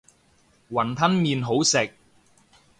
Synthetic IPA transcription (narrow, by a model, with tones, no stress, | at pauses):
wɐ˨˩nt̪ʰɐ˥nmiː˨nɦo˨˥wsɪ˨k̚